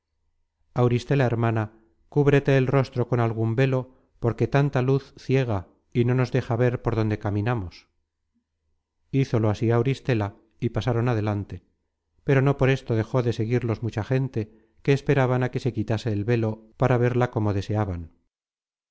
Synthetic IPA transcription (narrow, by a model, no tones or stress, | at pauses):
awɾist̪e̞laeɾmana | kuβɾet̪e̞ːlro̞st̪ɾo̞ko̞nalɣ̞umbe̞lo̞ | po̞ɾke̞t̪ant̪aluθθje̞ɣa | ino̞no̞zðe̞xaβe̞ɾpo̞ɾðo̞nd̪e̞kaminamo̞s | iθo̞lo̞asiawɾist̪e̞la | ipasaɾo̞nað̞e̞lant̪e̞ | pe̞ɾo̞no̞po̞ɾe̞st̪o̞ð̞e̞xo̞ðe̞se̞ɣiɾlo̞zmut͡ʃaχe̞nt̪e̞ | ke̞ːspe̞ɾaβanake̞se̞kit̪ase̞ːlβe̞lo̞paɾaβe̞ɾlako̞mo̞ð̞e̞se̞aβan